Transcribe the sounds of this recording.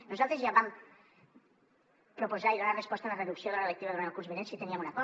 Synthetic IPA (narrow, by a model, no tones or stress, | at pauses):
nozalˠt̪ɾezjaβam | pɾopozaiðonarespɔst̪alareðuksjoðelelekt̪iβaðɾelkuɾzβinensit̪eniamunakɔ